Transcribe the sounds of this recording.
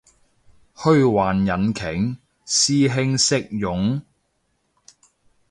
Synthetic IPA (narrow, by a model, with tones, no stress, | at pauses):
hɵ˥ɥwaː˨njɐ˨˥nkʰɪ˨˩ŋ | siː˥ɦɪ˥ŋsɪ˥k̚jʊ˨˥ŋ